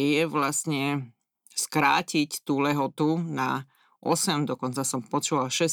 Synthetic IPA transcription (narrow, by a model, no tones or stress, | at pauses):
jɛʋlast̪ɲɛ | skɾa̰ːcict̪uːlɛɦɔt̪una | ʔɔsɛmd̪ɔkɔnt͡sasɔmpɔt͡ʃuʋalʃɛs